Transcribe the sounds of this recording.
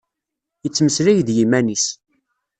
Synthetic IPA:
jət͡sːməslæjðjimænis

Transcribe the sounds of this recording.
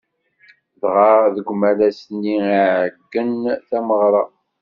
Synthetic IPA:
ðʁɑɾðəɡʷmælæsnːiiʕəɡːənθæməʁɾˤɑ

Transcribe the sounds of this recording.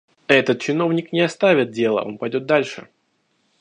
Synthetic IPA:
ɛt̪ət̪̚t͡ɕɪno̞vnʲɪknʲɪɐst̪avʲɪt̪̚dʲe̞lˠə̰ʔo̞̰npɐjdʲo̞t̪̚d̪alʲʂɨ̰

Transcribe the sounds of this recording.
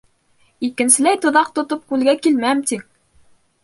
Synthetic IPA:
ikɘ̆nsɘ̆læjt̪ŏðɑq̚t̪ŏt̪op̚kʉlɡækilmæmt̪iŋ

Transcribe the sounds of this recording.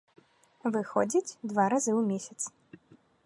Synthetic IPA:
vɨxɔd͡zʲit͡sʲd̪vaɾazɨwmʲesʲɐt̪s

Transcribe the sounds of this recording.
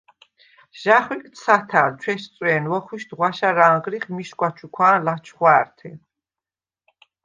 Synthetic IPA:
ʒ̥aχwikʼt̪sʰat̪ʰaːlt͡ʃʰwɛʃt̪t͡s̪ʼwɛːnwɔχwiʃd̪ʁwaʃaɾaːŋʁɾiχmiʃkʷʼwat͡ʃʰukʰwaːnlat͡ʃʰχwaːɾt̪ʰɛ

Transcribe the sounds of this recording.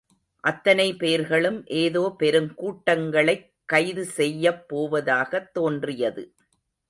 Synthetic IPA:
ʔɐt̪ːɐnɐɪpeːɾɣɐɭɯmʔeːðoːpɛɾɯmkuːʈːɐŋɡɐɭɐɪkːɐɪðɯsɛjːɐpːoːʋɐðaːɣɐt̪ːoːndrɪjɐðɯ̰

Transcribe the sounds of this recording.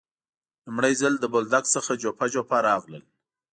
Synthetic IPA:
lʊmɽəjzəld̪əbold̪aksəxad͡ʒopad͡ʒopaɾɑɣlə̰l

